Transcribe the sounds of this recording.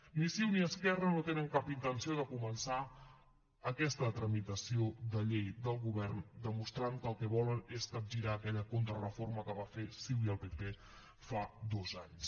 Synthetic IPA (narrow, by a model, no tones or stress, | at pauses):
nisiwniəskɛrənot̪enəŋkapint̪ənsioðəkumənsa | əkɛst̪ət̪ɾəmit̪əsioðəʎejd̪əlˠɣuβɛrnd̪əmust̪ɾaŋkəːlˠkɛβɔləneskəb̚ʒiɾaːkɛʎəkont̪ɾərəforməkəβafesiwiəlˠpepe | fad̪ozaɲs